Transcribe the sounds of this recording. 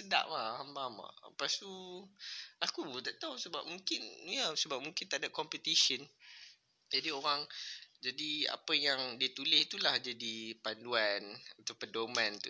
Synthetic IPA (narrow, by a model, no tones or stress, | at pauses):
səda̰ʔmahambama̰past̪u | akut̪aʔt̪awsəbap̚mũŋkɪnjəsəbap̚mũŋkɪnt̪aʔdap̚kɔmpət̪isən | d͡ʒadioɾaŋd͡ʒadia̰pəjaŋdiət̪ulɪhit̪ulahd͡ʒadipanduanat̪awpəndomãnt̪ṵ